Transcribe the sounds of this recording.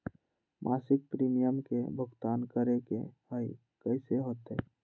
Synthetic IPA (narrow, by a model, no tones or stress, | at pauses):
mʔaːsɪk̚pɾiːmijəmkebʱʊɡt̪aːnkəɾekḛhəi | kəseɦoːt̪eː